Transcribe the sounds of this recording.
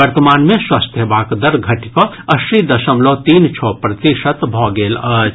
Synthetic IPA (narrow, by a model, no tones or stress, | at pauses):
əɾt̪əmaːnmẽswast̪jebaːkd̪əɾɡʱɐʈikɔ | ɐsɾid̪ɐʃəmlot̪iːnt͡ʃʰopɾət̪iʃət̪bʱɔɡeːlə